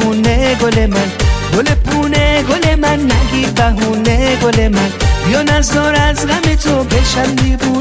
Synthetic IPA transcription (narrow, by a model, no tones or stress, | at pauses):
uneɡolemanɡolepuneɡolemanːaɡibaɦuneɡolemanjɔnazɔɾazɣametobɛʃalːibu